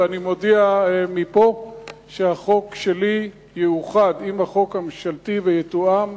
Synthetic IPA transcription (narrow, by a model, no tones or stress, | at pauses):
animo̞dɛamipo̞ʃeaχo̞kʃe̞li | jejuχadimhaχo̞khamʃaltivejet̪uam